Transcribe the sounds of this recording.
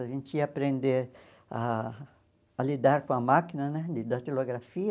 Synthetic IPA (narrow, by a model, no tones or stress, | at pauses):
vĩnt͡ʃ̪iapɾẽnd̪eɾ | a | lid̪aɾkõamakinanɛd̪ɪd̪at̪eloɡɾafi